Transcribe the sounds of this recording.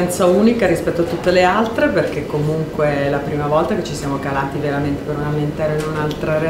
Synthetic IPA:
ɛnt̪sauːnikaɾispɛt̪ːoat̪ːut̪ːelealt̪ɾeperk̟ekːomuŋkweɛlapɾiːmavɔlt̪aket͡ʃːisjaːmokalaːt̪iveɾament̪epeɾunament̪ɛːɾoinunalt̪ɾaɾe

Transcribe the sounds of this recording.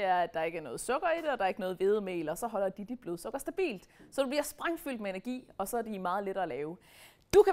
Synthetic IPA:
eæɐæd̥ɑ̈e̝ɡəæɐnɔ̽ːð̩ˠsɔ̽ɡ̥ɐid̥eɒ̽d̥ɑ̈ɐe̝ɡ̥ənɔ̽ːð̞̩ˠʋe̝ð̞ˠmḛːlɒsɒ̽ɦɒ̽l̰ɐd̥id̥ib̥loðˠsɔ̽ɡ̥ɐsd̥æb̥ḭːld̥sɒ̽d̥ub̥liɐsb̥ʁaŋ̰fyl̰d̥meenɐɡ̥ḭːɒ̽sɒ̽æɐd̥imɑ̈ːð̞̩ˠleɾɐælɛːʊ | d̥ukʰæ

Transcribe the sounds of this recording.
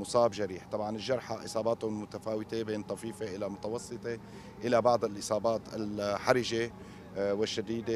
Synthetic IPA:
mʊsˤɑːbʒaɾiːħt̪ˤɑbʕɑnɪlʒːɑɾˤħaʔɪ̰sˤɑːbɑːt̪ʊmʊt̪afaːwɪt̪ebeːnt̪ˤɑfiːfeʔɪlamʊt̪ɑwɑsˤːɨt̪ˤe | ʔɪlabɑʕd̪ˤɪlʔɪsˤɑːbaːt̪ɪ̰lħaɾɪʒe | wɪʃːad̪iːd̪e

